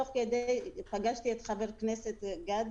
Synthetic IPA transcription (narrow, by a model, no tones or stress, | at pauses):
oχked̪ejpaɡaʃt̪iet̪χaveʁkneset̪ɡad̪